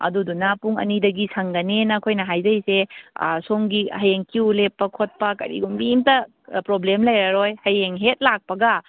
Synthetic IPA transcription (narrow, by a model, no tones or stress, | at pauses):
ɐ̰dudunapuŋɐ̰nidɐɡisɐŋɡɐnenɐkʰojnɐɦajzɐjsḛsoŋɡihɐjeŋkiwlepːɐkʰot̚pɐkɐ̰ɾḭɡumbimtɐ | pɾoblemlɐjɾɐɾojhɐjeŋɦet̚lak̚pɐɡɐ